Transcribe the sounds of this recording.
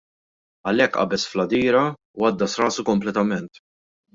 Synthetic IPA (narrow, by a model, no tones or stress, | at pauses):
ɐlɛkːʔɐ̰bɛsflɐd̪iːɾɐ | wɐd̪ːɐsɾɐːsukɔmplɛt̪ɐmɛnt̪